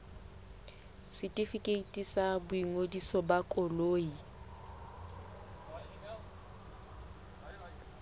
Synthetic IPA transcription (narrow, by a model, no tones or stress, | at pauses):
sɪtʼifikʼeitʼisabʊiŋodisɔbakʼɔloːi